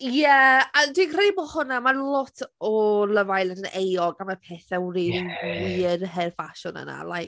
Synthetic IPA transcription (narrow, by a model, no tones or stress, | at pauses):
jɛadwikʰrebɔhʊnamalˠɔtʰɔlˠəvajlˠadənejɔɡaməpʰɛːθɛwriwirɦɛrfaʃʊnə̰na̰lˠajk